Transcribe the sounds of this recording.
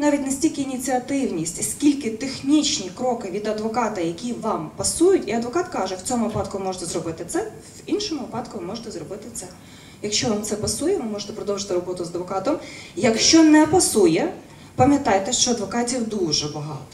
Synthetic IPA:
nɑʋʲit̚ʲnɐsʲtʲilʲkɪinʲit͡sʲiɐt̪ɪwnʲisʲtʲsʲkʲilʲkɪt̪exnʲit͡ʃnʲikɾɔkɪʋʲid̪ɐd̪ʋɔkɑt̪ɐjɐkʲiʋɑmpɐsujʊtʲiɐd̪ʋɔkɑt̪kɑʒɛwt͡sʲɔmʊʋɪpɑd̪kʊʋɪmɔʒet̪ɛzrɔbɪt̪ɪt̪sɛ | ʋinʃɔmʊʋɪpɑd̪kʊʋɪmɔʒet̪ɛzɾɔbɪt̪ɪt̪sɛ | jɐkʃt͡ʃɔʋɑmt̪sɛpɐsujɛʋɪmɔʒet̪ɛpɾɔd̪ɔwʒɪt̪ɪɾɔbɔt̪ʊzɐd̪ʋɔkɑt̪ɔmjɐkʃt͡ʃɔnɛpɐsujɛ | pɐmʲjɐt̪ɑjt̪ɛʃt͡ʃɔɐd̪ʋɔkɑtʲiwd̪uʒɛbɐɦɑt̪ɔ

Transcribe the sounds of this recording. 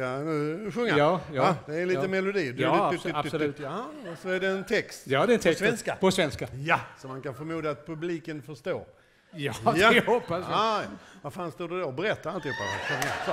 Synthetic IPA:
anʉ̟ɧɵŋːaɑːjad̪ɛːliːəmɛlʊd̪iːd̪aslʉasɔæɖɛːnt̪ʰɛkst̪jɑːd̪ɛɛnt̪ʰɛsvɛnskapʰɔsvɛnskajasɔmankanfœɾmuːd̪aat̪̚pʰɵbliːkənfœʂt̪oː | jɑjahɔpːasjajavaɾfaːnst̪uːd̪əd̪obɛɾɛt̪ːaɾalt̪ɪuːpːadɛ̰ɧɵŋːasɔ

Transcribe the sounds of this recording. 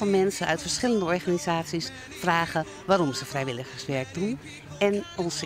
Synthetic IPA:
ɔnmɛnsəʔœ̰ɥtfəɹsχɪləndəɔɹxanizaːsis | fraːɣə | ʋaːɾɔmsəfrɛjʋɪləxəsʋɛɹk̚dun | ʔɛnɔns

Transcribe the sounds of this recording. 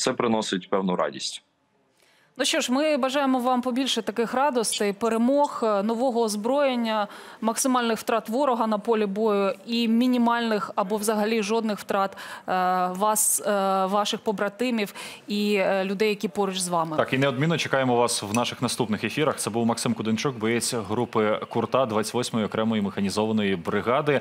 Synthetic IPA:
t̪sɛpɾɪnɔsɪtʲpɛwnʊɾɑ̰dʲḭsʲtʲ | nuʃt͡ʃɔʃmɪbɐʒɑjemɔʋɑmpɔbʲilʲʃɛt̪ɐkɪxɾɑd̪ɔst̪ɛjpeɾemɔxnɔʋɔɦɔːzbɾɔjenʲːɐmɐksɪmɑlʲnɪxwt̪ɾɑt̪ʋɔɾɔɦɐnɐpɔlʲibɔjʊimʲinʲimɑlʲnɪxɐbɔwzɐɦɐlʲiʒɔd̪̚nɪxwt̪ɾɑt̪ | ʋɑsʋɑʃɪxpɔbɾɐt̪ɪmʲiwilʲʊd̪ɛjɐkʲipɔɾʊt͡ʃʲzʋɑmɪɑkinɛɔd̪mʲinːɔt͡ʃekɑjemɔʋɑswnɑʃɪxnɐst̪upnɪxefʲiɾɐxɛbuwmɐksɪmkʊd̪ɪnt͡ʃukbɔjet͡sʲɦɾupɪkʊrt̪ɑd̪ʋɑt͡sʲɐt̪ʲʋɔsʲmɔjiɔkɾɛmɔjimɪxɐnʲizɔʋɐnɔjibɾɪɣɑd̪ɪ

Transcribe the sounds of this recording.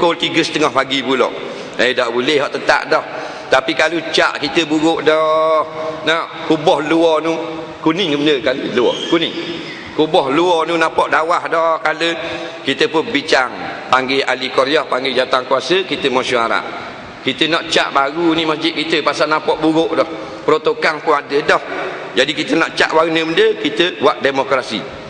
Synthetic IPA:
kolt̪iɡəsət̪əŋɔhpaɡipulɔ̰ʔ | ədaʔbulɛhɦɔʔt̪ət̪a̰ʔdɔh | t̪apikalut͡ʃa̰ʔkit̪əbuɾʊʔdɔhnɔʔkubɔhluɔnu | kunɪŋəmənəkaləluɔ̰kunɪŋ | kubɔhluɔnunapɔʔdawahdɔhkalə | kit̪əpʊnbit͡ʃaŋpaŋɡeʔalikɔɾiɔhpaŋɡed͡ʒat̪aŋkuasəkit̪əmɔsuaɾa̰ʔ | kit̪ənɔʔt͡ʃa̰ʔbaɣunimasd͡ʒɪt̪̚kit̪əpasalnãpɔʔbuɣʊʔdɔh | pəɾot̪okanpunadədɔhd͡ʒadikit̪ənɔʔt͡ʃa̰ʔbaɣunəməndəkit̪əwaʔdemokɾasḭ

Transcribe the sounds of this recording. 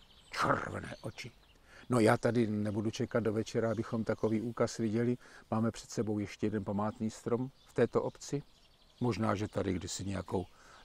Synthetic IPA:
t͡ʃɛ̰rvɛ̰nɛ̰ːʔot͡ʃɪ | no̞jaːt̪adɪnɛbudut͡ʃɛkad̪̚dovɛt͡ʃɛɾaabɪxo̞mt̪ako̞viːʔuːkasvɪɟɛlɪmaːmɛpr̥ɛ̥t̪sɛbo̞wjɛʃcɛjɛdɛnpamaːt̪niːst̪ɾo̞mft̪ɛːt̪oʔopt͡sɪ | mo̞ʒnaːʒɛt̪adɪɡdɪsɪɲɛjakow

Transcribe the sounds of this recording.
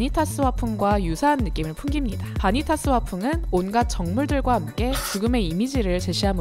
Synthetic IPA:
ɲitʰas͈ɯwapʰumɡwajusʰaːnːɯk͈imɯɭpʰunɡimɲidapaɲitʰas͈ɯwapʰuŋɯnonɡat̚t͡ɕ͈ʌŋmuɭdɯɭɡwahamk͈e̞t͡ɕuɡɯme̞imid͡ʑiɾɯɭt͡ɕe̞ɕʰiɦam

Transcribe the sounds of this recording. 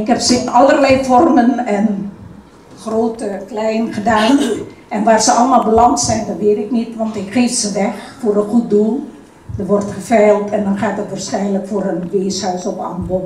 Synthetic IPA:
ɪkɦɛpsɪnɑlˠərlɛjfɔrmənɛn | xroːtəklɛjnχədaːn | ʔɛnʋaːrsəɑləmaːlˠbəlɑŋtsɛjndɔtʋɪːtɪknitʋɑntɪkriːtsəʋɛxfoːrəxut̚dulˠ | dəʋɔrtχəfɛːlˠtʰɛndɔnxaːt̚dətʋaːrsxɛjnləkfoːrənʋeːshœɥsɔpa̰mbo

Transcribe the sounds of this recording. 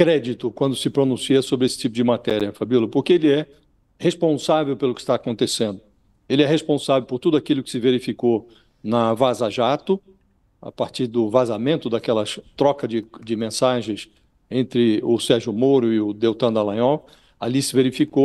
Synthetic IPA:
kɾɛd͡ʒit̪ʊkwɐ̃nd̪ʊsɪpɾonũsiɐsobɾɪesɪ̥t͡ʃipʊd͡ʒɪmat̪ɛɾjɐfabilʊpoɾkeelɪɛ | hespõsavewpelʊkɪ̥st̪aːkõnt̪esẽnd̪ʊ | elɪɛhespõsavewpoɾt̪ud̪ʊakilʊkɪ̥sɪveɾifiko | nɐvazaʒat̪ʊ | a̰paɾt͡ʃiɾd̪ʊvazamẽnt̪ʊd̪akɛlɐt̪ɾɔkɐd͡ʒɪd͡ʒɪmẽsaʒẽj̃s | ẽnt̪ɾɪʊsɛɾʒʊmoɾʊɪʊd̪ewt̪ɐ̃d̪alɐ̃jɔw | alisɪveɾifiko

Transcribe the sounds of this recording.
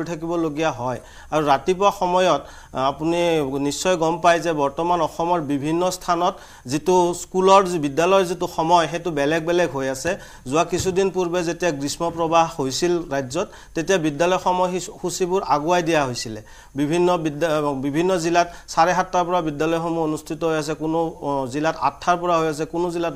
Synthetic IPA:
ɹitʰak̬ibɔloɡijaɦɔj | aɹuɹatipʊaxɔmɔjɔt | apuninisːɔjɡɔmpajzɛbɔɹtɔmanɔxɔmɔɹbibʱinːɔstʰanɔt | zituskulɔɹbidalɔjɔzituxɔmɔjxetubɛlɛɡ̚bɛlɛɡɦojasɛ | zʊakisʰudinpuɹbɛzetijaɡɹismɔpɹɔbaɦhojsilɹajzɔtːetijabidːalɔjxɔmɔjxusibʊɹaɡuajdijaɦojsilɛ | bibʱinːɔbidbibʱinːɔzilatsaɹɛɦatːaɹpɔɹabidːalɔjxɔmuonustʰitɔɦojas̬ɛkʊnʊzilata̰tʰːaɹpɔɹaɦojas̬ɛkʊnʊzilat

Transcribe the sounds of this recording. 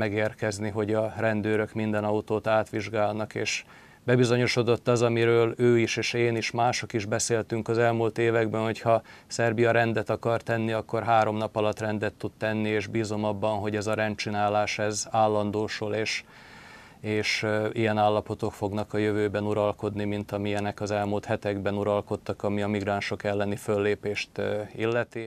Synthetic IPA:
mɛɡeːrkɛzniɦo̞ɟɒrɛnd̪øːɾø̞kmind̪ɛnɒut̪oːt̪aːt̪ʋiʒɡaːlnɒkḛːʃ | bɛbizo̞ɲo̞ʃo̞d̪o̞t̪ːɒzɒmiɾøːløːiʃeːʃeːniʃmaːʃo̞kiʒbɛseːlt̪yŋkɒzɛlmult̪eːvɛɡbɛnho̞chɒsɛrbijɒɾɛnd̪ɛt̪ɒkɒrt̪ɛnːiɒkːo̞rɦaːɾo̞mnɒpɒlɒt̪rɛnd̪ɛt̪ːut̪t̪ɛnːieːʒbiːzo̞mɒbːɒnɦo̞ɟɛzɒɾɛnt͡ʃinaːlaːʃɛzaːlːɒnd̪oːʃoleːʃ | eːʃijɛnaːlːɒpo̞t̪o̞kfo̞ɡnɒkɒjøvøːbɛnuɾɒlko̞d̪nimint̪ɒmiɛnɛkɒzɛlmult̪hɛt̪ɛɡbɛnuɾɒlko̞t̪ːɒkɒmiɒmiɡraːnʃo̞kɛlːɛnifø̞lːeːpeːʃt̪ilːɛt̪i

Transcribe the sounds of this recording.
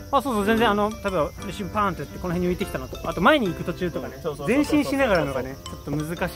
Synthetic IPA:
aːsoːsoːzẽnd͡zẽano̞t̪at̪ebaɾiɕĩmpãːnt̪ojt̪ːeko̞noɦeɲ̟ːiɯ̟it̪e̞kʲi̥t̪anot̪oat̪o̞mae̞ɲ̟iːkɯ̟t̪o̞t͡ɕɨːt̪o̞kane̞zẽ̞ɕĩɰ̃ɕinaɣaɾano̞ɡane̞t͡ɕo̞t̪ːo̞mɯ̟zɨkaɕ

